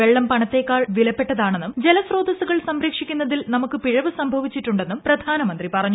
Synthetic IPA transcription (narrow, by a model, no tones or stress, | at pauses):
eɭːɐmpɐɳɐt̪ːe̞kːaːɭʋilɐpːe̞ʈːɐðaːɳe̞nːumd͡ʑe̞lɐsro̞ːd̪ɐsuɣɐɭsɐmɾeːkʂikʲːunːɐðilnɐmukːɨpiɻɐʋɨsɐmbʱɐʋit͡ɕːiʈːuɳɖe̞nːumprɐd̪ʱaːnɐmɐnd̪ripɐrɐɲːu